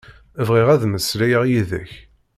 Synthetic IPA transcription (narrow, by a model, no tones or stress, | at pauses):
əvʁɪʁæðməslæjəʁjiðə̰ç